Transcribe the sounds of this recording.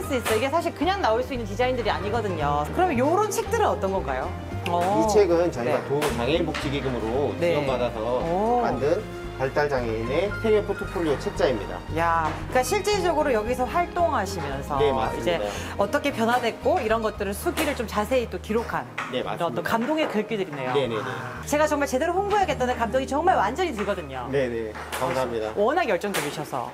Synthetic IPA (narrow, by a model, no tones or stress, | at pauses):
ɭs͈uis͈ʌjoiɡe̞sʰaɕ̬ʰiɭkɯɲaŋnaoɭs͈uinːɯnkid͡ʑaindɯɾiaɲiɡʌdɯɲokɯɾʌmjʌnjoɾʌnt͡ɕʰe̞k̚t͈ɯɾɯnʌt͈ʌnɡʌnɡ͈ajo | ʌit͡ɕʰeɡɯnt͡ɕaatotaŋebok̚t͡ɕ͈iɡiɡɯmɯɾoneʌpadasʰʌma̰ndɯn | paɭt͈aɭd͡ʑaŋenepʰeepʰotʰopʰoɭːiet͡ɕʰek̚t͡ɕ͈aimɲḭda̰ja | k͈aɕʰiɭt͡ɕ͈e̞d͡ʑʌɡɯɾojʌɡisʰʌɸwaɭt͈oŋɦaɕʰimjʌnsʰʌeaid͡ʑe̞ʌt͈ʌkʰe̞pjʌnwadwe̞k̚k͈oiɾʌnɡʌt̚t͈ɯɾɯnsʰuɡiɾɯɭt͡ɕ͈omt͡ɕasʰe̞it͈okiɾokʰanneiɾʌntokamdoŋe̞kɯɭk͈idɯɾine̞jonenḛ | t͡ɕe̞ɡat͡ɕʌŋmaɭt͡ɕe̞deɾoɸoŋbujaɡet͈̚ʌnɯnkamdoŋit͡ɕʌŋmaɭwand͡ʑʌɲitɯɭɡʌdɯɲone̞ne | kamsaamɲidawʌnaɡjʌɭt͡ɕ͈ʌŋd͡ʑʌbiɕʰʌsʰʌ̰